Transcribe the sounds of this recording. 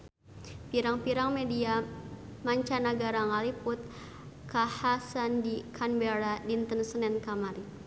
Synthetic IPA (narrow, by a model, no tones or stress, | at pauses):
piɾaŋpiɾaŋmediamaɲt͡ʃanaɡaɾaŋaliput̪̚ | kahasandikʰanbɛɾadint̪ənsənɛnkamaɾi